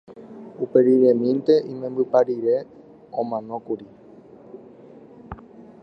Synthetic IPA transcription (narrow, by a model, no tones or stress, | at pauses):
upe̞ɾiɾemĩnt̪e̞ʔĩmẽ̞mbɨpaɾiɾe̞ | õmãnõ̞kuɾi